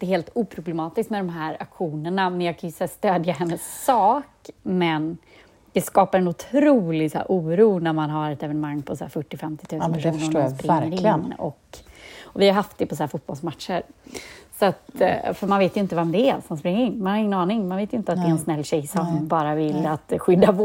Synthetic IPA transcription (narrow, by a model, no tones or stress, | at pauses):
d̪ɛheːlt̪uːpʰɾʊblɛmɑːt̪ɪskt̪mɛd̪ɔmɦæɾa̰kɧuːnəɳamɛnjɑːɡkʰajɵsɛːst̪øːd̪jaɦɛnːəsːɑːkmɛn | d̪̥ɛskɑːpaɾɛnʊt̪ʰɾuːlɪɡsæ̰ːɾʔuːɾuːnæɾmanɦaɾɛt̪ɛvɛnəmaŋːpʰɔsaæ̰ːɾfœʈːɪfɛmt̪ɪ̥t̪ʰʉ̟ːsnpʰæʂuːsnəɾsspɾɪŋːəɾɪnnːɔ̰k | ɔvɪhaɾɦaft̪̚d̪ɛpʰɔsaaːɾfʊt̪̚bɔlsmat̪ʂəɾsɔat̪fœɾmanveːt̪jɵɪnt̪əvɛmd̪ɛɛsɔmanspɾɪŋːəɾɪnːmanhaɾɪŋːənɑːnɪŋmanveːt̪jʏɪnt̪əat̪ɛɛnsnɛlːɕɛjsɔŋbɑːɾavɪlːat̪ɧʏd̪ːa